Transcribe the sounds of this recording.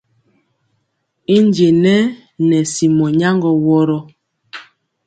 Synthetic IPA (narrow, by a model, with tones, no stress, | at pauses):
i˦nd͡ʒe˨nɛ˦ | nɛ˨si˨mɔ˨ɲa˦ŋɡɔ˨wɔ˦ɾɔ˦